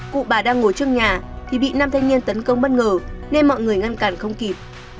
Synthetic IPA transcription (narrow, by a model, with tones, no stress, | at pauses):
kṵ˧˨ɓaː˨˩ɗaː˧ŋːo˧˩jt͡ɕɨ˧əŋɲaː˨˩t̪ʰi˨˩ɓḭ˧˨na˧mt̪ʰa˧jŋɲi˧ənt̪ə˨˦nkə˧wŋ͡mɓə˦˥t̚ŋəː˨˩ne˧nmɔ̰˧˨jŋɨ˨˩əjŋa˧nkaː˨˩nxə˧wŋ͡mki˨˩p̚